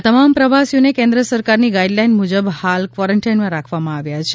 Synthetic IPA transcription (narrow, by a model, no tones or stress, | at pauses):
at̪əmampɾəʋasijonekẽnd̪ɾəsəɾkaɾniɡaiɖlajnmud͡ʒəbhalkʋaɾəɳʈajnmãɾakʰʋamãaʋjat͡ʃʰe